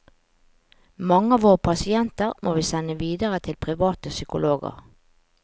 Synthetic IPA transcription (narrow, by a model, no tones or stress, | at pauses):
mɑŋəɑːʋoːʁəpʰɑsɪɛnt̪əʁmʔoːʋiːsɛnəʋiːd̪əʁət̪ʰɪlpʰʁɪʋɑːt̪əsʏkʊloːɡə̰ʁ